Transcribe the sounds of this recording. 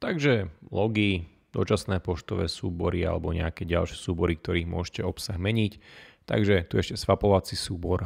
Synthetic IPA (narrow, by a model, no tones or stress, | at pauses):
t̪aɡʒɛlɔɡi | d̪ɔ̰t͡ʃasnɛːpɔʃt̪ɔʋɛːsuːbɔɾia̰lɛbɔɲɛ̰akɛːɟa̰lʃɪɛsuːbɔɾik̚t̪ɔɾiːɣmʊɔʃcɛɔpsaɣmɛɲict̪a̰ɡʒɛt̪uɛʃcɛsʋapɔʋat͡sisuːbɔɾ